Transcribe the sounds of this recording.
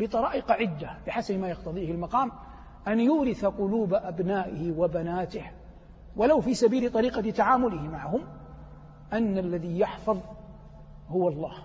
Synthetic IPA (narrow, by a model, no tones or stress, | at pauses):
bɨt̪ˤɑɾˤɑːʔɪqɑʕɪd̪ːabɪħasabmaːjɑqt̪ɑðˤiːhɪlmɑqɑːm | ʔanjuːɾɪθaqʊluːbaʔabnaːʔɪhɪwabanaːt̪ɪh | walawfiːsabiːlɪt̪ˤɑɾiːqɑt̪aʕaːmʊlɪhɪmaʕɦʊm | ʔanːalːaðijɑħfɑðˤ | hʊwɑlˤːɑːh